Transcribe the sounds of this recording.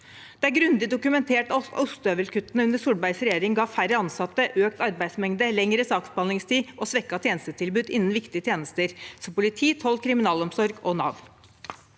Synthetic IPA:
d̪̥ɛæɾɡɾʉnd̪ɪd̪ʊkʉmɛnt̪ʰeːʈʊst̪øːʋəlkʰʉt̪ːənəʉnəʂuːɽbæɪsɾɛjeːɾɪŋɡɑːfæɾəɑnsɑt̪ːəʔøːk̚t̪ɑɾbæɪd̪smɛŋd̪əlɛŋɾəsɑːksbɑnɪŋst̪iːʔɔsʋɛkːɑt̪ʰjeːnst̪ət̪ʰɪlbʉːd̪ɪnn̩ʋɪkt̪ɪət̪ʰjeːnəst̪əɾsɔmpʊlɪt̪ʰiːt̪hɔlkʰɾɪmɪnɑːlɔmsɔɾɡɔnɑ̰ːʋ

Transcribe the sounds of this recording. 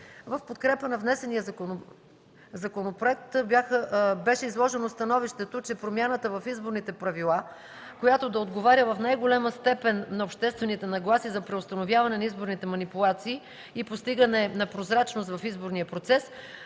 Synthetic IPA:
vɐfpot̪̚kɾɛpənɐvnɛsɛnijəon | zɐkonopɾoɛk̚t̪bʲjaxəbɛʃɛizlˠɔʒɛnost̪ɐnɔviʃt̪ɛt̪ot͡ʃɛpɾomjanət̪əvɐfizboɾnit̪ɛpɾɐvilˠa | kojat̪od̪ɐod̪ɡovaɾʲəvɐfnajɡolʲaməst̪ɛpɛnːɐopʃt̪ɛst̪vɛnit̪ɛnɐɡlˠasizɐpɾɛost̪ɐnovʲjavɐnɛnɐizboɾnit̪ɛmɐnipulˠat̪siː | ipost̪iɡənɛnɐpɾozɾat͡ʃnost̪vɐfizboɾniəpɾot̪sɛs

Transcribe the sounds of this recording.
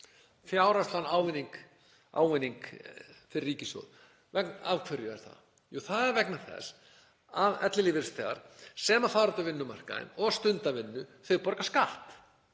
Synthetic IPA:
fjaːwɾast̪anaːwvɪniŋk | ʔa̰ːwvɪnːiŋkfɪɾriːcɪso̰wð | vɛknavkʰvʏɾjʏɛɾ̥θa̰ð | uθaðɛɾvɛknḁθɛ̰s | avɛ̰t̪lɪlɪvɪɾ̥st̪ʰɛɣa̰ɾ̥sɛːmaθawɾat̪avɪnːʏmar̥ka̰ɪ̰nɔɣst̪ʏnt̪avɪnːʏθœjɣpɔɾkaskaht̪

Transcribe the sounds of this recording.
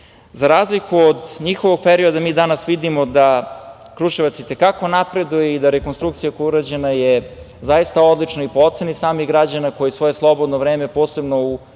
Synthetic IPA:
zaɾaːzlikuod̪ɲixoʋoɡ̚peɾio̞d̪amiːd̪anasʋid̪imo̞d̪a | kɾuʃeʋat̪sit̪e̞kako̞napɾe̞d̪ujeid̪aɾekonst̪ɾuk̚t̪sijakojuɾad͡ʑenaje | zajist̪ao̞d̪lˠit͡ʃnoipoot̪senisaːmiɣɡɾad͡ʑanako̞jisʋo̞je̞slˠo̞bo̞d̪novɾeːme̞po̞ːse̞bno̞u

